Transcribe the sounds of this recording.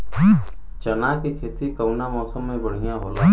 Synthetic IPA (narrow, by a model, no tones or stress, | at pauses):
t͡ʃənaːkekʰeːt̪ikəwnamɔːsəmːẽbəɽ̤ɪjaɦoːlaː